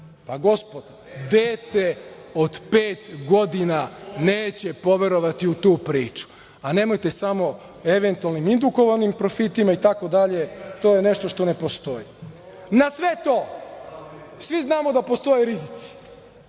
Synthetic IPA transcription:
paɡo̞spod̪̥ | d̪eːt̪eo̞d̪peːt̪ɡo̞d̪inaneːt͡ɕe̞po̞ʋe̞ɾo̞ʋat̪iut̪uːpɾiːt͡ʃu̥ | ane̞ːmojt̪e̞samo̞ | eʋe̞nt̪ualˠnimind̪uko̞ʋanimpɾo̞fit̪imait̪ako̞d̪aʎe̞t̪o̞ːjene̞ʃt̪o̞ʃt̪o̞ne̞po̞st̪o̞ji | nasʋet̪oː | sʋiznaːmo̞d̪apost̪o̞jeɾizit̪si̥

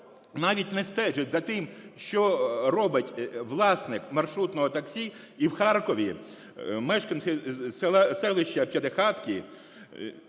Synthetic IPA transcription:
nɑʋʲitʲnɛst̪ɛʒɪtʲzɐt̪ɪmʃt͡ʃɔrɔbɪtʲʋlˠɑsnɪkmɐrʃɾut̪nɔɦɔt̪ɐksʲi | iwxɑrkɔʋʲi | mɛʃkɐnsɪsɛsɛlˠɪʃt͡ʃɐpʲjɐd̪exɑt̪kʲi

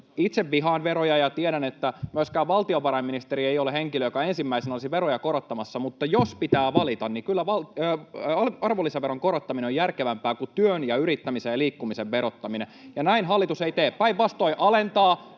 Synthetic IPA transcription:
it̪seʋʋiɦɑːnʋeɾojɑjɑt̪ieɾænet̪ːæmyøskæːʋʋɑlt̪ioʋɑɾɑimːinist̪eɾiejoleheŋkiløjokɑensimːæisenolisiʋeɾojɑkoɾot̪ːɑmɑsːɑmut̪ːɑjospit̪æːʋɑlit̪ɑnnikylːæʋɑlː | ɑlɑrʋolːiseʋeɾoŋkoɾot̪ːɑmineojærkeʋæmpæːkut̪yønjɑyɾit̪ːæmisejliːkːumiseʋʋeɾot̪ːɑminejɑnæinɦɑlːit̪useit̪eːppæiʋʋɑst̪oiʔɑlent̪ɑː

